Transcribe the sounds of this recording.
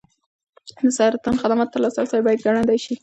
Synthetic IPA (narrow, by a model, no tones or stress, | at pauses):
d̪əsaɾat̪anxad̪amɑt̪ːəɾlɑsasajbɑjad̪̚ɡaɳand̪ajʃi